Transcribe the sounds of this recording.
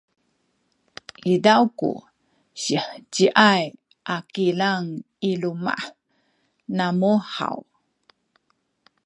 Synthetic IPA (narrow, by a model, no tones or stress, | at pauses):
ʔidawkṵ | ɕiħt͡ɕiʔaj | ʔakilaŋ | iluma̰ | namuħa̰w